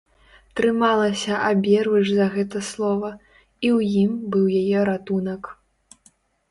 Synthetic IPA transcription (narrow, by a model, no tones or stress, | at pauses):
t̪ɾɨmalˠɐsʲɐʔabʲɛrvɨʐzɐɣɛt̪ɐslˠɔvɐ | iwjimbɨwjajɛɾat̪unɐk